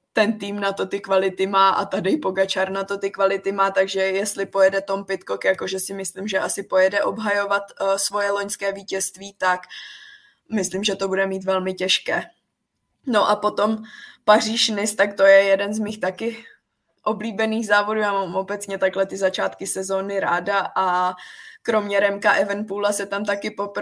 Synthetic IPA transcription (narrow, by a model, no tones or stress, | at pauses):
t̪ɛnt̪iːmnat̪o̞t̪ɪkvalɪt̪ɪmaːʔa̰t̪adɪpo̞ɡat͡ʃaɾnat̪o̞t̪ɪkvalɪt̪ɪmaːt̪aɡʒɛjɛst̪lɪpo̞jɛdɛt̪o̞mpɪt̪kokjako̞ʒɛsɪmɪslimʒɛʔasɪpo̞jɛdɛʔo̞bɦajo̞vat̪svo̞jɛloɲskɛːviːcɛst̪viːt̪ak | mɪslimʒɛt̪o̞budɛmiːt̪vɛlmɪcɛʃkɛː | no̞ʔapo̞t̪o̞mpar̝iːʃnɪst̪akt̪o̞jɛjɛdɛnzmiːxt̪akɪ | ʔobliːbɛniːɣzaːvoduːjaːmamʔo̞bɛt͡sɲɛt̪aklɛt̪ɪzat͡ʃaːt̪kɪsɛzo̞ːnɪɾaːdaʔa | kɾo̞mɲɛɾɛmkaʔɛvɛnpulasɛt̪amt̪akɪpop